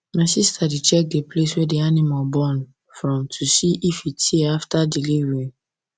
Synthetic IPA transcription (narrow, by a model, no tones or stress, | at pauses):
maɪsistʰadit͡ʃɛk̚depleswɛdianimabɔ̃n | fɹɔ̃mtʰusiʔifitʰeaftadiliɹĩn